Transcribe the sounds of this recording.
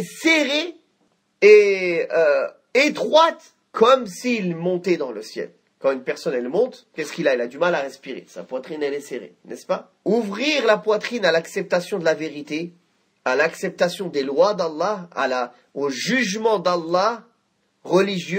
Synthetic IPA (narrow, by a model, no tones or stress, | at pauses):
seʁe | eø | et̪χwat̪ | kʰɔmsiːlmɔ̃t̪ɛd̪ɑ̃ləsjɛ̰l | kɑ̃ynpɛʁsɔnɛlmɔ̃t̪kʲɛskʲilaɛlad̪ymalaʁɛspiʁḛsa̰pwat̪χinɛlɛseʁḛnʔɛ̰spa | uvʁiʁlapwat̪χinalaksɛp̚t̪asjɔ̃d̪əlaveʁit̪e | alaksɛp̚t̪asjɔ̃d̪elwad̪alˠːɑa̰la | oʒyʒmɑ̃d̪alˠːɑ | ʁəliʒjø